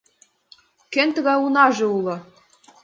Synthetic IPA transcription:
kent̪ɤ̆ɣɑunɑʒĕulˠɤ̆

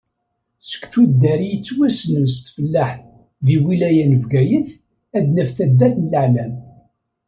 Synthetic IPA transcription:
sə̥kθud̪ːæɾijət͡sːwæsnəms̬t̪fəlːaħ | ðiwilæjænəvɡæjəθ | æd̪næfθæd̪ːæθnələʕlæm

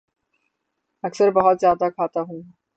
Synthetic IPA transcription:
ɛksəɾbɔɦɔt̪d͡ʑad̪akʰat̪aɦun

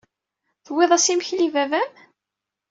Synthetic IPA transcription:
θweðˤæsimçlivævæm

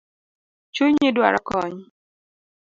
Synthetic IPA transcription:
t͡ʃuɲɪdwa̰ɾɔkɔɲ

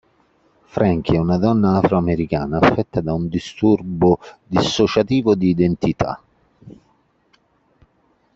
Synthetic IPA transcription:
fɾaŋk̟iɛunad̪ɔnːaafɾoameɾikaːnaːfːɛt̪ːad̪aund̪ist̪urbʊd̪isːot͡ʃat̪iːvʊd̪iːd̪ent̪it̪ʰa̰

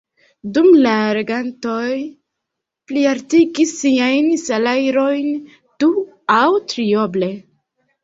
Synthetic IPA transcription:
dumlaɾe̞ɡanto̞j | pliaɾtiɡisiajnsalajɾo̞jn | tu | awtɾio̞ble̞

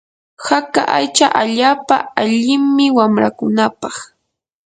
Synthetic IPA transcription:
hakaʔajt͡ʃaʔaʎaːpa̰aʎɪmmɪwamɾakʊnapɑχ

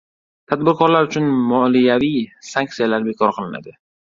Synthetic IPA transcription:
t̪ʰad̪̚bɪɾkʰɒɾlaɾʊt͡ʃʰʊnmɒlijavijsaŋk̚t̪sijalaɾbe̞kʰɒɾqʰɨlˠɪna̰d̪ɪ

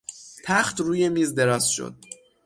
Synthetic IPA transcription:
t̪ʰæxt̪ɾuːje̞miːzd̪e̞ɾɒːz̥ʃo̰d̪̥

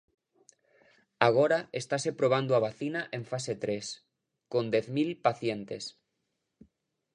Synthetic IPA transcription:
aɣ̞oɾaest̪asepɾoβ̞and̪oaβ̞aθinaʔẽɱfaset̪ɾes | kõnd̪eθmilpaθjent̪es

